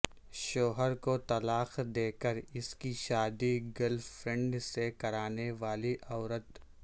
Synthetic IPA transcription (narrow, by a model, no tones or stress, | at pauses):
ʃoːɦəɾkot̪ɐlaːxd̪eːkəɾɪskiʃaːd̪iɡɐlfɾɛ̃ɳɖsekɐɾaːneʋaːliʔɔːɾət̪